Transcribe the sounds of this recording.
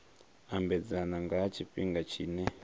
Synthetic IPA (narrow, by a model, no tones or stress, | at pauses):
ambɛd͡zanaŋɡat͡ʃʰiɸiŋɡat͡ʃʰiːnɛ